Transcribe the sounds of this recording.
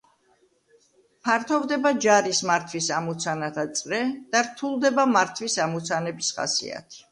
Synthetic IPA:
pʰaɾt̪ʰɔvd̪ɛbad͡ʒaɾismaɾt̪ʰwisamut̪sʰanat̪ʰat̪sʼɾɛd̪̥aɾt̪ʰulˠd̪ɛbamaɾt̪ʰwisamut̪sʰanɛbisχa̰sḭa̰t̪ʰi̥

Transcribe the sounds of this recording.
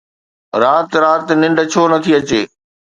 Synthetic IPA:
ɾaːt̪ɾaːt̪nɪ̃ɳɖʱt͡ɕʰoːnɐt̪ʰiɐt͡ɕeː

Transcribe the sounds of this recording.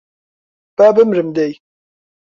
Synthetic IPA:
b̥abɨmɾɨmd̪ɛj

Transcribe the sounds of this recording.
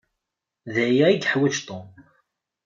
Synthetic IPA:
ðæjæiɡħwæt͡ʃt̪ˤom

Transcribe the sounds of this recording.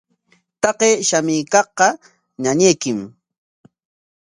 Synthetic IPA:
t̪ɑqeːʃamɪːkɑχqɑ | ɲaɲejkɪm

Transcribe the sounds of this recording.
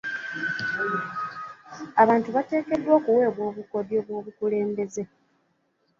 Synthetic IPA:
aβaːntuβate̞ːke̞dːwoːkuwe̞ːβwo̞ːβuko̞djo̞ːβwo̞ːβukule̞ːmbe̞ze̞

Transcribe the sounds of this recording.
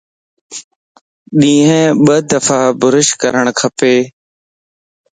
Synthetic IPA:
ɗĩːɦɛ̃ɓəd̪əfaːbʊɾɪʃkəɾəɳ̃kʰəpeː

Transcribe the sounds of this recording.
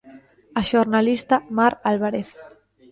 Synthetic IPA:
aʃoɾnalist̪amaɾalβaɾeθ

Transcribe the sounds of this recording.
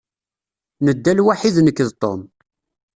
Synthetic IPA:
nəd̪ːælwaħiðnəkːəðt̪ˤo̰m

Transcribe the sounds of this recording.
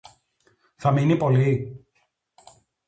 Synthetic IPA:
θɐminipo̞li

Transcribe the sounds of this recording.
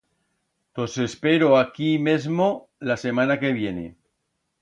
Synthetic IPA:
t̪ose̞spe̞ɾoakimezmo | lase̞mãnake̞β̞je̞nḛ

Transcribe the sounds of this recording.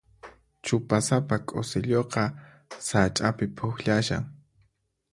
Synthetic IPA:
t͡ʃʊpasapakʼosɪʎoqɑ | sat͡ʃʼapɪpʰʊxʎaʃa̰ŋ

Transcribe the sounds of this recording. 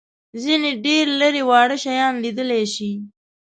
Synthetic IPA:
zineɖeɾləɾewɑːɽəʃajɑːnlid̪əleʃi

